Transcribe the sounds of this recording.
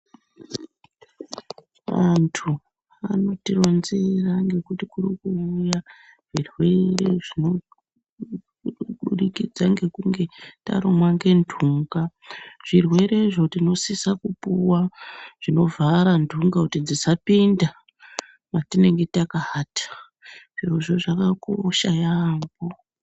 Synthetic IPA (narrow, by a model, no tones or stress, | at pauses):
ʋantʰu | a̰no̞tiro̞nzeraŋɡe̞kutikurikuuja | ʐ̥irwe̞re̞ʐino̞ | ɓuɗikid͡zaŋɡe̞kuŋɡe̞ta̰ɾomwaŋɡe̞ndʱuŋɡaʐ̥irwe̞ɾe̞ʐo̞tino̞sisakupuwaʐ̥ino̞vaɾandʱuŋɡakutid͡zisapinda | matine̞ŋɡe̞takaatḁ | ʐ̥ioʐo̞ʐakakoʃajambo